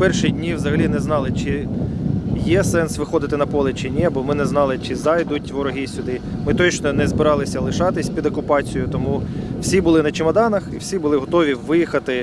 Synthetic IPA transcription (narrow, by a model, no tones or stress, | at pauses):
pɛrʃidʲnʲiʋzɐɦɐlʲinɛznɑlˠɪt͡ʃɪ | jɛsɛnsʋɪxɔd̪ɪt̪ɪnɐpɔlˠɪt͡ʃɪnʲɛɐbɔmɪnɛznɑlˠɪt͡ʃɪzɑjd̪utʲʋɔɾɔɦʲisʲʊd̪ɪmɪt̪ɔt͡ʃnɔnɛzbɪɾɑlˠɪsʲɐlˠɪʃɑt̪ɪsʲpʲid̪ɔkʊpɑt͡sʲijʊt̪ɔmuw̥sʲibʊlˠɪnɐt͡ʃɪmɐd̪ɑnɐxḭwsʲibʊlˠɪɦɔt̪ɔʋʲiʋɪjixɐt̪ɪ